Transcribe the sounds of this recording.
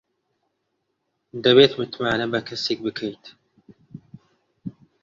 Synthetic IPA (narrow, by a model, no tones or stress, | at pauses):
d̪ɐβeːt̪mɨt̪maːnɐbɐkʰɐseːk̚bɨkʰɐjt̪